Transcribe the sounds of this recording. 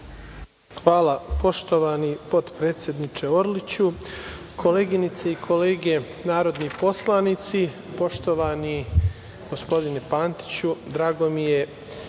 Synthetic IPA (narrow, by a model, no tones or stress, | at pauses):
xʋaːlapo̞ʃt̪o̞ʋanipo̞d̪pɾeːt̪sje̞d̪nit͡ʃe̞o̞ɾlit͡ɕu | kʰo̞leːɡinit̪seikʰo̞leːɡe̞ | naːɾo̞d̪nipo̞slˠanit̪si | po̞ʃt̪o̞ʋaːni | ɡ̥ospo̞d̪inepaːnt̪i̥t͡ɕud̪ɾaːɡo̞mije̞